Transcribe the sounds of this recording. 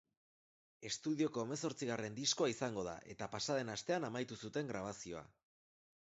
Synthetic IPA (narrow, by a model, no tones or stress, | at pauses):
e̞st̪uðio̞ko̞ːme̞so̞ɾt͡siɣare̞nd̪isko̞aisaŋɡo̞ð̞a̰ʔe̞t̪apasaðe̞nast̪e̞anamajt̪usut̪e̞ŋɡɾaβ̞asio̞a̰